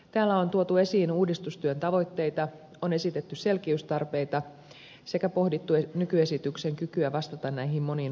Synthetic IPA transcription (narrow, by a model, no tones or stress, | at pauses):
t̪æːlːæo̞nt̪uot̪ue̞siːnuːdist̪ust̪yønt̪ɑʋo̞jt̪ːe̞jt̪ɑ | one̞sit̪e̞t̪ːyse̞lk̟iyst̪ɑrpe̞jt̪ɑ | se̞kæpo̞hdit̪ːuenykye̞sit̪ykse̞ŋkykyæʋɑst̪ɑt̪ɑnnæjɦimmo̞nin